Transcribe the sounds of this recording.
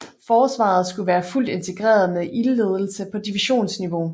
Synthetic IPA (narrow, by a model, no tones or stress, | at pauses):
fɒːsʋɑ̰̈ð̞̩ˠsɡ̥uʋæːɐful̰d̥e̝nt͡sʰe̝ɡ̥ʁɛ̰ːɐð̞̩ˠmeðʔille̝ð̞ˠl̩səpʰɒ̽d̥iʋiɕo̝̰ːnsniʋo̝